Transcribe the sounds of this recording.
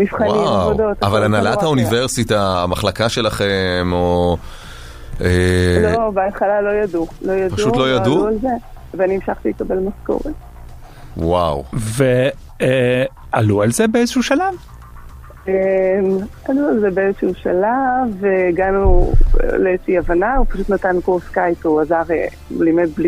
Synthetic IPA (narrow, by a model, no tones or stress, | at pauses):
mifχannimaod̪ot̪avalanalathauniveʁsitaːmaχlakaʃe̞laχemo | elobeat̪χalalo̞jadulo̞jadpaʃuutlo̞jaduualzeveninimʃaχt̪ilekabelmasko̰ʁet̚ | wawve | e | alualzebeezʃuʃalav | emalualzebeezeʃuʃalaveɡanṵleeʃiavanaupaʃut̪nat̪ankoskajtuazaʁḛ | mlimed̚bli